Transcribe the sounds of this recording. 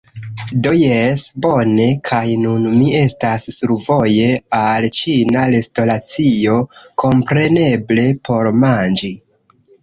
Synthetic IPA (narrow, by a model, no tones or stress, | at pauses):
do̞jesbo̞ne̞kʰajnunmie̞stasːuɾvo̞je̞alt͡ʃinalesto̞lat͡sio̞kʰo̞mpɾe̞ne̞ble̞pʰo̞ɾmand͡ʒi